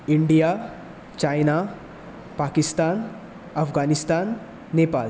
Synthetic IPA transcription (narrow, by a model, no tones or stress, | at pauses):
iɳɖija | t͡ɕajna | paːkist̪aːn | ɐfɡanist̪aːnː | eːpa̰ːl